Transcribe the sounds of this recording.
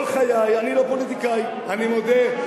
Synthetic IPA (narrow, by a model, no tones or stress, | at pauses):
lxʰajajaniɾɔpolit̪ikaj | animod̪ʱe